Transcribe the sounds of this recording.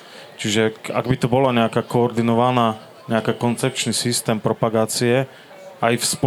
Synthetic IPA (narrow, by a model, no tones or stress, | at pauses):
t͡ʃiʒɛa̰ɡbit̪ɔbɔlaɲɛakaːkɔːɾd̪inɔʋanaː | ɲɛakaːkɔnt͡sɛp̚t͡ʃnisist̪ɛːmpɾɔpaɡaːt͡siɛ | ʔajfsp